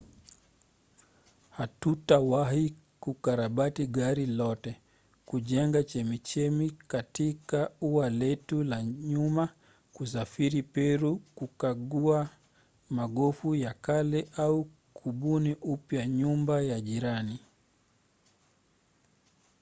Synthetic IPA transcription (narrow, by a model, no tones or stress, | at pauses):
hatutawahi | kukaɾaɓatiɠaɾilɔtɛ | kuʄɛŋɡat͡ʃɛmit͡ʃɛmikatikauwalɛtulaɲuma | kus̬afiɾipɛɾukukaɠua | maɠɔfujakalɛʔau | kʰuɓuniʔupjaɲumbajaʄiɾani